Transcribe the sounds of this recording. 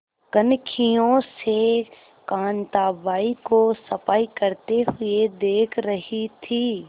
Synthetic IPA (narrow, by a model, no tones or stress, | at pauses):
kənkʰijõse | kãːnt̪aːbaːikosɐpaːikɐɾt̪eɦʊed̪eːkʰɾɐɦit̪ʰiː